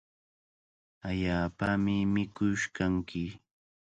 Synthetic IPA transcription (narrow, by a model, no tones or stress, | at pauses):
aʎaːpamɪmɪkʊʃkaŋkʰɪ